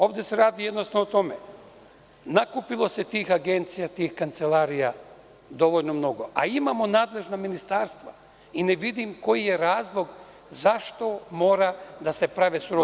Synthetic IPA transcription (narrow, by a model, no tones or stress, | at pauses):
o̞ːʋd̪e̞se̞ɾaːd̪ijed̪nost̪aot̪o̞me | nakupilo̞se̞t̪iːxaɡe̞nt̪sijat̪iːxkant̪se̞laːɾija | d̪o̞ʋo̞ʎno̞mno̞ɡo̞ʔa̰imamo̞naːd̪le̞ʒnaminist̪aːɾst̪ʋa | ineʋid̪imko̞jije̞ɾaːzlˠo̞ɡ | zaʃt̪o̞mo̞ːɾad̪ase̞pɾaʋesuɾo